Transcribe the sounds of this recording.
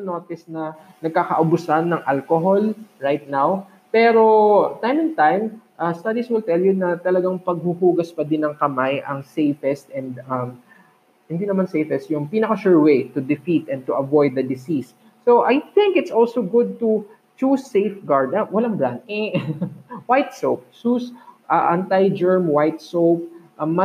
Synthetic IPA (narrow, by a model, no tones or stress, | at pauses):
noːt̪ɪsnɐ | nɐɡ̚kakɐʔɐbʊsanːɐŋʔalkoɦolɹajt̪̚naw | pɛɾo̞t̪ajmɪ̃nt̪ãjmʔɐst̪ɐd̪iswɪlt̪ɛljʊnɐt̪ɐlɐɡaŋpɐɡ̚huhuːɡɐspɐd̪ɪnɐŋkɐmajʔɐŋsejfɛst̪ɛnd̪ɐm | hɪnd̪inɐmansejfɛst̪̚jʊŋpiːnɐkɐʃuɹwejt̪ʊd̪ɪfit̪ʔɛ̃n̚t̪ʊʔɐvɔjd̪ːɐd̪ɪsisː | oʔajθɪ̃ŋkɪt̪sʔolsoɡʊd̪̚t̪u | t͡ʃusːejfɡaɹd̪ɐwɐlaŋbɹand̪̚ʔɛ | wajt̪̚sowp̚susʔɐʔɐnt̪ajd͡ʒɛɹmwajt̪̚sowp̚ʔɐmːɐ